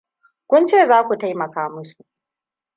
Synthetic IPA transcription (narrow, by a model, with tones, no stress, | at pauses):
kʷʊ˦nt͡ʃeː˦˨zaː˦kʷu˨ta˦jmɐ˨kaː˦mʊ˦su˨ʔ